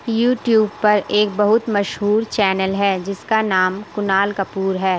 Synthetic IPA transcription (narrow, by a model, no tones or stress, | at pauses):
juːʈjuːb̚pɐɾeːk̚bɐɦʊt̪mɐʃɦuːɾt͡ʃɛːnəlɦɛːd͡ʒɪskanaːmkʊnaːlkɐpuːɾɦɛː